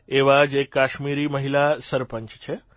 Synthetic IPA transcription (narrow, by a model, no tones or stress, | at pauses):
eʋad͡ʒekːaʃmiɾiməɦilasəɾpəɲt͡ʃt͡ʃʰe